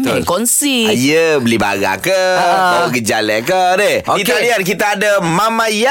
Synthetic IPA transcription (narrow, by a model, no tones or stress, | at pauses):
t̪kɔnsijəbəliba̰ɡa̰kəaɡəd͡ʒalakədeoit̪adiank̬it̪aːdəmamãja